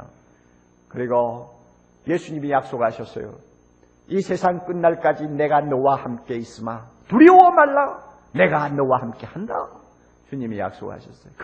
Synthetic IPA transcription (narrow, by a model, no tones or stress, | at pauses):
kɯɾiɡo | je̞sʰuɲimijak̚s͈oɡaɕʰʌs͈ʌ̰jo̰ | isʰe̞sʰaŋk͈ɯnːaɭk͈ad͡ʑine̞ɡanʌwahamk͈e̞is͈ɯma | tuɾiowʌmaɭːa | ne̞ɡanʌwahamk͈e̞handa̰ | t͡ɕuɲimija̰k̚s͈o̰ɡa̰ɕʰʌs͈ʌjo